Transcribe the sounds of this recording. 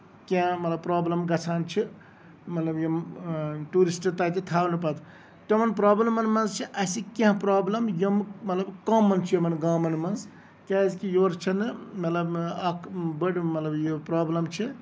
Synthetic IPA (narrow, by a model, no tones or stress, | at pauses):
kãmɐt̪lɐbpɾaːblɐmɡɐt͡sʰaːnt͡ʃʰi | mɐt̪lɐbjimʈuːɾisʈt̪at̪it̪ʰaːwnɨpɐt̪ʰ | t̪emɐnpɾaːblɐmɐnmɐnzt͡ʃʰiʔɐsikẽɦãpɾaːblɐmjommɐt̪lɐbkaːmːɐnt͡ʃʰijomɐnɡaːmɐnmɐnz | kʲazkijoːɾt͡ʃʰɐnɨmɐt̪lɐbɐkʰbəɽmɐt̪lɐbjopɾaːblɐmt͡ʃʰi